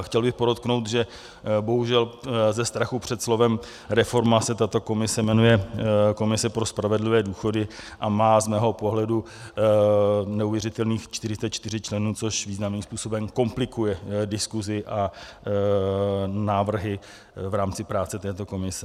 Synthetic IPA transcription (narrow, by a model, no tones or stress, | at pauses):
xcɛlbɪxpodo̞t̪̚knowt̪ʒɛ | bo̞ɦuʒɛlzɛst̪ɾaxupr̝̥ɛt̪slo̞vɛm | ɾɛfo̞ɾmasɛt̪at̪o̞ko̞mɪsɛmɛnujɛko̞mɪsɛpɾo̞spɾavɛdlɪvɛːduːxo̞dɪʔamaːzmɛːɦo̞po̞ɦlɛdu | nɛuvjɛrɪt̪ɛlniːxt͡ʃt̪ɪrɪst̪ɛt͡ʃt̪ɪrɪt͡ʃlɛnuːt͡soʃviːznamniːmspuːso̞bɛmko̞mplɪkujɛdɪskuzɪʔa | naːvr̩ɦɪ | vɾaːmt͡sɪpɾaːt͡sɛt̪ɛːt̪o̞ko̞mɪsɛ